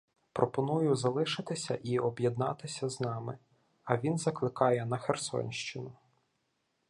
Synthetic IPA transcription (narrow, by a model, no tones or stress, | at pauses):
pɾɔpɔnujʊzɐlˠɪʃɪt̪ɪsʲɐʔiɔbjɛd̪nɑ̰t̪ɪsʲɐznɑmɪ | ɐʋʲinzɐklˠɪkɑjɛnɐxersɔ̰nʲʃt͡ʃɪnʊ